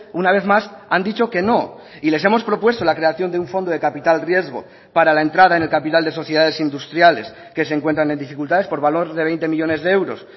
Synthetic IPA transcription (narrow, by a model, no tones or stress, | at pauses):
unaβ̞e̞θmasand̪it͡ʃo̞ke̞no̞ | ile̞s̬e̞mo̞spɾo̞pwe̞st̪o̞lakɾe̞aθjo̞nd̪euɱfo̞nd̪o̞ð̞e̞kapit̪alrje̞zɣ̞o̞̰ | paɾalae̞nt̪ɾaðaene̞lkapit̪ald̪e̞so̞θjeaðe̞sind̪ust̪ɾjale̞̰s | ke̞seŋkwent̪ɾane̞nd̪ifikult̪aðe̞spo̞ɾβalo̞ɾðeβe̞jnt̪e̞miʎo̞ne̞zðeewɾo̞̰s